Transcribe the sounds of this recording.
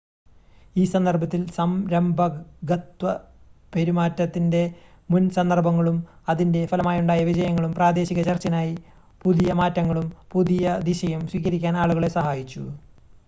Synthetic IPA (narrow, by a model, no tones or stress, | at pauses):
iːsɐnd̪ɐrbʱɐt̪ːilsɐmɾɐmbʱɐɡɐt̪wɐ | pe̞ɾimaːtːɐt̪ːinde̞ | munsɐnd̪ɐrbɐŋːɐɭumɐðinde̞fɐlɐmaːjuɳɖaːjɐʋid͡ʑɐjɐŋːɐɭumpraːd̪e̞ːɕiɣɐt͡ɕɐrt͡ɕːɐnaːji | puðijɐmaːtːɐŋːɐɭumpuðijɐd̪iɕɐjumswiːkɐɾikʲːaːnaːɭuɣɐɭesɐhaːjit͡ɕːṵ